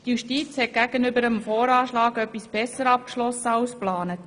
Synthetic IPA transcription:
tjuʃtiːt͡shɛt̚ɡ̥æɡənʏbəɾəmfɔːɾɑːʃlɑːɡœpːisb̥ɛsəɾɑp̚kʃlɔsəɑʊsplɑːnət

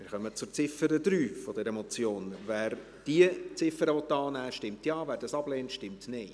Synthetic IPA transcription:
mɪɾχœmət͡sʊɾt͡sɪfəɾəd̪ɾyːfɔd̥ɛɾəmɔt͡sjoːnvæːɾ | d̥iət͡sɪfəɾəvɔt̪ːɑːnæːʃtɪmtjɑːvæːɾdɑsɑb̥lɛːntʃtɪmtneɪ

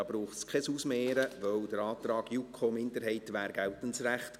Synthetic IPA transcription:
ɑb̥ɾuːχskʰɛsusmeːɾəʋœwd̥əɾɑːt̪ɾɑːɡjukʰomɪndəɾɦɛɪtʋæːɾɡ̥æltənsræχt

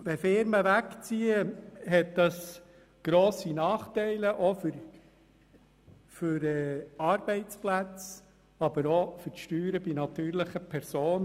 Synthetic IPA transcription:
ʋɛfɪɾməʋækt͡siəɦɛt̚d̥̪ɑs | ɡ̥ɾoːsinɑːχtɛɪləʔɔfʏɾ | fʏɾɛːɑɾb̥ɛɪt͡splæt͡s | ɑb̥əɾofʏɾʃtyːɾəbinɑt̪yːɾləχəpʰɛɾsoːn

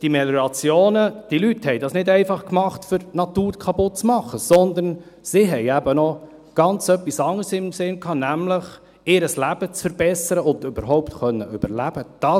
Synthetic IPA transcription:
d̥imɛlɾɑt͡sjoːnəd̥ilythɛɪdɑːsnɪdɛɪfɑχkmɑχtfʏɾnɑtuːɾkʰɑpʊt̚t͡smɑχːəsɔnd̪əɾn | siɦɛɪæbənɔ | ɡ̥ɑnt͡sœpːisɑŋəsɪmsɪnkʰɑːnæmləχ | ɪːɾəslæb̥ət͡sfəɾb̥ɛsəɾəʊnd̪ʉbəɾɦɔʊptχœnːəʔʏbəɾlæb̥əd̥ɑ

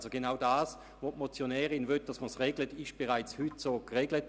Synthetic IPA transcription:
zoɡ̥enaʊdaːs | ʋotmot͡sjonɛːʁɪnvøt̚d̥asməsʁeɡlətɪʃb̥eʁaɪt͡shytsoːkʁeɡlət

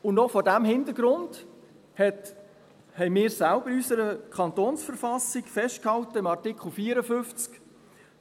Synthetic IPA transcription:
ʊnnɔfɔdæmhɪndəɾɡ̥ɾʊnd̥ | hɛt | hɛɪmɪːɾsælb̥əɾysəɾəkʰɑnt̪oːnsfəɾfɑsɪkfɛʃt̚khɑltəɪmɑrtɪkʰχl̩fiːɾəfʏft͡sk

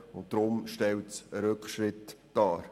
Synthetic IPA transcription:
ʊnt̚d̥ɾʊmʃtɛwtsəɾɵkχʃɾɪtd̥ɑːɾ

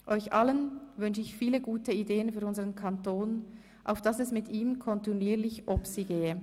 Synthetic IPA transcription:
ʔɔʏçʔɑlənvʏnʃəɪçfiːləɡuːtəideːənfyːɐɾʊnzəʁənkʰɑntoːn | ʔa̰ʊfd̥ɑsɛsmɪtiːmkʰɔntiniːlɪçʔɔpsiɡeːə

